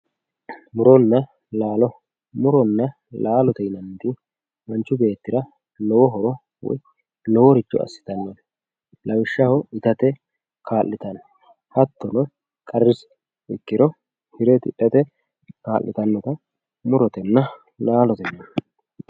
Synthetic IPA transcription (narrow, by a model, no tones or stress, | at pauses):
mʊɾɔnːɐ | laːlɔ | mʊɾɔnːɐ | laːlɔt̪ɛjnɐnt̪ɪ | mɐnt͡ʃːʊbe̞ːt̪ːɪɾɐ | lɔwɔɦɔɾɔ | wɔ̰j | lɔwɔɾɪd͡ʒːɔ̰ɐ̰sːɪ̥t̪ɐnːɔn | lɐwɪʃːɐhɔɪt̪ɐt̪ɛ | kʰaːlːɪt̪ɐn | hɐt̪ːɔnɔ | kʼɐrːɪs | ɪkːɪɾɔ | hɪɾɛt̪ɪ̰ʔɛt̪ɛ | kaːlːɪ̰t̪ɐnːɔt̪ɐ | mʊɾɔt̪ɛnːɐ | laːlɔt̪ɛjnɐn